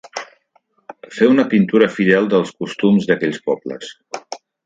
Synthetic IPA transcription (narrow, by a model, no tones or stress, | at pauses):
feunəpint̪uɾəfiðɛlˠd̪əlˠskust̪umzðəkɛʎspɔblə̰s